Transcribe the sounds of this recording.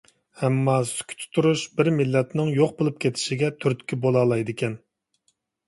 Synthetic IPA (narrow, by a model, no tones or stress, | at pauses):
hɛmːɑsy̥kʲʰy̥t̪ʰy̥t̪ʰuɾuʃbɪɾmɪlːɛt̪nɪŋjoqbolˠup̚kʲʰet̪ʰɪ̥ʃiɡʲɛt̪ʰyɾt̪kʲibolˠɑːlˠɑjd̪ɪkʲʰɛn